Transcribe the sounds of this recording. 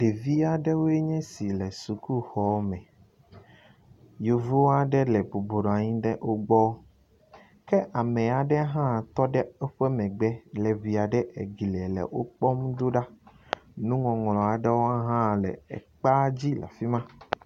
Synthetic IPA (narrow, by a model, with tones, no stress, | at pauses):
ɖ̥e˨vi˦a˨ɖɛ˦wo˦e˦ɲɛ̃˦si˨lɛ˨su˨ku˦xɔ˨˦mɛ̃˨ | jo˨vo˦wa˦ɖɛ˦lɛ˨bo˨bo˨ɖɔ˨a˨ɲĩ˦ɖɛ˦ʔo˦ɡ͡bɔ˦ | kɛ˦ʔa˨mɛ̃˨a˨ɖɛ˦ɦã˦˨t̪ɔ˦ɖɛ˦ɛ˦ɸɛ˦mɛ̃˨ɡ͡bɛ˦lɛ˨vi˨a˨ɖɛ˦ʔe˨ɡi˨lɛ˨lɛ̰˨wo˦k͡pɔ˦md̪o˦ɖa˦ | nũ˦ŋɔ̃˨ŋ˨lɔ̃˨a˨ɖɛ˦wo˦a˦ɦã˦lɛ̰˨ɛ̰˨k͡pa˦d͡ʑi˦la̰˨fi˦mã˦